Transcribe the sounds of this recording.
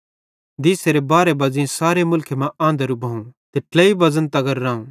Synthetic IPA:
d̪iːseɾebaːɾebɐzĩsaːɾemʊlkʰemãʔãːnd̪əɾubʱɐːũt̪eʈlɐːibɐzənt̪ɐɡɐɾːãːũ

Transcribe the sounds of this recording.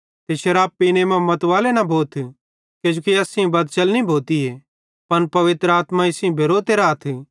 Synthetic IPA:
t̪eʃɐɾaːbpːiːnemɛ̃mɐt̪ʋaːlenɐbʱoːt̪ʰ | ked͡ʒokiɐːsĩbɐd̪̚t͡ʃɐlnĩbʱoːt̪ieː | pɐnpɐʋɪt̪ɾəaːt̪mãɪsĩbʱeɾoːt̪eːɾaːt̪ʰ

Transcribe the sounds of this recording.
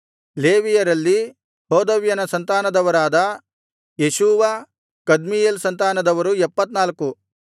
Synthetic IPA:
leːʋijɐɾɐlːi | hoːd̪ɐʋjɐnɐsɐnt̪aːnɐd̪ɐʋɐɾaːd̪ɐ | jeʃuːʋɐ | kɐd̪mijeːlsɐnt̪aːnɐd̪ɐʋɐɾuɛpːɐt̪naːlku

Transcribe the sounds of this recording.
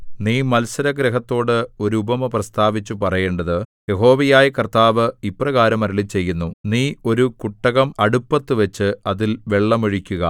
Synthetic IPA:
niːmɐlsɐɾɐɡɾɐɦɐt̪ːo̞ːɽɨo̞ɾuubɐmɐprɐst̪aːʋit͡ɕːupɐrɐje̞ːɳɖɐðɨje̞ɦo̞ːʋɐjaːjɐkɐrt̪aːʋɨiprɐɣaːɾɐmɐɾiɭit͡ɕe̞jːunːuniːo̞ɾukuʈːɐɣɐmɐɽupːɐt̪ːɨʋet͡ɕːɨɐðilʋe̞ɭːɐmeɻikʲːuɣɐ

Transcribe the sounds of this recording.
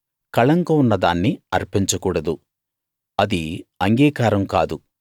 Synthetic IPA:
kɐɭɐŋkɐunːɐd̪aːnːiɐɾpeɲt͡ʃɐkuːɽɐd̪u | ɐd̪iɐŋɡiːkaːɾɐmkaːd̪u

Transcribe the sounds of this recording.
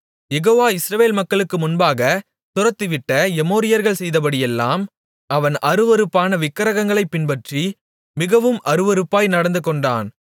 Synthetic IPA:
jɛɣoːʋaːɪsɾɐʋeːlmɐkːɐɭɯkːɯmʊnbaːɣɐ | sʊɾɐt̪ːɯʋɪʈːɐjɛmoːɾɪjɐɾɣɐɭsɛjðɐpɐɽɪjɛlːa̰ːm | ɐʋɐnʔɐɾɯʋɔɾɯpːaːnɐʋɪkːɐɾɐɣɐŋɡɐɭɐɪpːɪnpɐʈri | mɪɣɐʋɯmʔɐɾɯʋɔɾɯpːaːjnɐɽɐnd̪ɯkːɔɳɖa̰ːn

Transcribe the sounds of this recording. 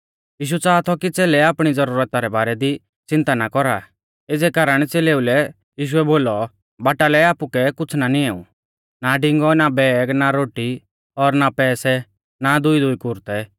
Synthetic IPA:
jiːʃ̬ut͡saːt̪ʰɔkit͡seːlɛaːpɽ̃id͡zɐɾuːɾət̪aɾɛbaːɾɛd̪i | t͡sɪ̃nt̪anakɔɾa | eːd͡zɛkaːɾəɽ̃t͡seleːulɛ | jiːʃ̬uɛboːlɔ | baːʈalɛaːpukɛkʊt͡sʰnaniɛːṵ̃ | naɖɪ̃ŋɡɔnabɛːɡnaɾoːʈi | ɔɾnapɛːsɛ | nad̪ʊid̪ʊikʊɾt̪ɛ

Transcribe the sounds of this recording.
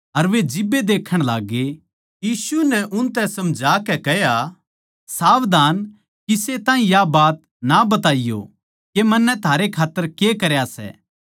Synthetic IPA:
ɐɾʋed͡ʒɪbːed̪eːkʰːəɽ̃laːɡːe | jiːsunɛʔʊnt̪ɛ̃sɐmd͡ʒʱaːkɛkɛɦja | saːʋd̪aːn | kiset̪ãːĩjabaːt̪ | nabɐt̪aːijo̰ | kemɐnːɛt̪ʰaːɾekʰaːt̪ːəɾkekɐɾjasɛ̰ː

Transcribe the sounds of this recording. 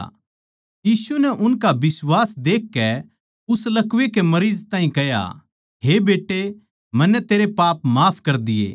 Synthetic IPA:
jiːsunɛʔʊnkabɪswaːsd̪eːkːɛ | ʊslɐkʋekemɐɾiːzt̪ãːɦĩkɐja̰ | ɦebeːʈːe | mɐnːɛt̪eːɾepaːpmaːpʰkɐɾd̪ɪjḛː

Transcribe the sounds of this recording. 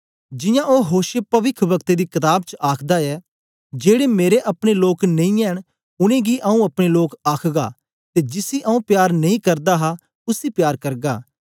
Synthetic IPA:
d͡ʒɪjãːʔoːɦoːʃəpɐʋɪkʰʋɐkt̪eːd̪iːkɪt̪aːbt͡ʃʔaːkʰd̪aɛː | d͡ʒeːɽeːmeːɾeʔɐpɽ̃eloːknɐĩɛːɽ̃ | ʊnẽːɡiːʔɐũɐpɽ̃eloːkaːkʰɡa̰ː | t̪eːd͡ʒɪsiːʔɐũːpjaːɾnɐĩːkɐɾd̪aːɦa | ʊsiːpjaːɾkɐɾɡaː

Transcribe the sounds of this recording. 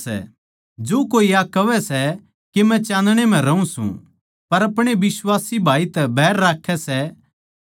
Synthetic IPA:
ɛ̰ | d͡ʒoːkoːiakɐʋɛsɛ | kemɛ̃t͡ʃãːnd̪ɽ̃em̤ɛ̃ɾɐũsṵ̃ | pɐɾɐpɽ̃ebɪswaːsibʱaːit̪ɛbʱɛːɾːaːkʰɛsɛ

